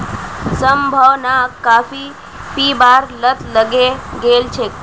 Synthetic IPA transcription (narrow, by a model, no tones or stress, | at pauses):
səmbʱəwnakafi | pibaɾlət̪ləɡeɡelt͡ʃʰe